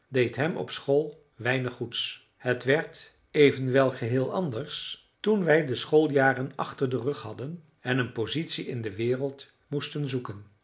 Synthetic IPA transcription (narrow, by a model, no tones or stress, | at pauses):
dejtɦɛmɔ̰psχolˠ | ʋɛjnəχːuts | hətʋɛɹt | ejvənʋɛlˠχəɦɪːlˠɑndəɹs | tunʋɛjdəsχolˠjaːrənɑχtərdərɵχhɑdən | ɛnənpozitsiɪndəʋɪːrəlˠt | mustənzukən